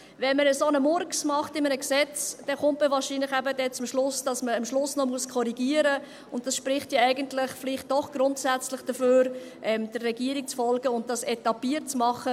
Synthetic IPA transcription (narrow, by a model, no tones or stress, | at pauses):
vɛnməɾəsonəmʊɾksmɑχtɪmənəksɛt͡sd̥ɛχʊntməvɑːɾʃiːnlɪχæbədɛt͡sʊmʃlʊsd̥ɑsməəmʃlʊsnɔmuəskʰɔɾiɡiəɾə | ʊnt̚d̥ɑsʃpɾɪχtjɑæɪɡəntlɪχfliχt̚d̥ɔχɡ̥ɾʊntsæt͡slɪχd̥əføːɾ | ʔɛmd̥ərːɛɡiəɾik̚t͡sfɔlɡəʊnt̚d̥ɑsɛtɑpiətt͡smɑχə